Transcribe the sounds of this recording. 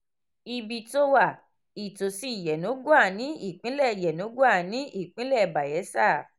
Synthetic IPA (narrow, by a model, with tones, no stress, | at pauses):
i˧bi˧to˧wa˦˨ | i˨to˨si˨˦˨jɛ˨nõ˨˦ɡu˦a˦˨nĩ˨˦i˦˨k͡pĩ˨˦lɛ˦˨jɛ˨nõ˨˦ɡu˦a˦˨nĩ˨˦ʔi˦˨k͡pĩ˨˦lɛ˦˨ba˨jɛ˨˦sa˦˨